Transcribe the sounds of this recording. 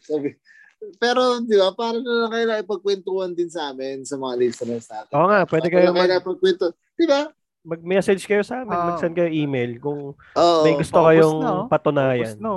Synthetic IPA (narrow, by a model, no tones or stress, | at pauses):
saːbɪ | pɛːɾod̪ɪbapaːɾɐnɐlɐŋkɐjlaŋɪpɐɡ̚kwɛnt̪uhɐnd̪ɪnsaːmɪnsɐmɐŋalisɐnɐnsaːmoːŋaʔpwɛːd̪ɛkɐjokɐmɐlapɐɡ̚kwɛnt̪o | d̪̥ɪba | mɐɡ̚mɛsɛd͡ʒkɐjosɐʔaːmɪnmɐɡsɐnkɐjoʔiːmejlkʊŋ | ʔoːʔmɐjɡʊst̪okɐjoŋpɐt̪ʊnaːjɐ̰no